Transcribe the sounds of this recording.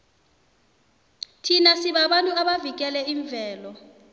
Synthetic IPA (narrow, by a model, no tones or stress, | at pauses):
tʰinasiɓaɓantʼuaɓavik̬ɛlɛiɱb̪vʱɛːlɔ